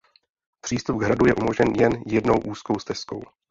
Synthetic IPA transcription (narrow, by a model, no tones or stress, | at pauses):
pr̥iːst̪up̚ɡɦɾadujɛʔumo̞ʒɲɛnjɛnjɛdno̞wʔuːsko̞wst̪ɛsko̰w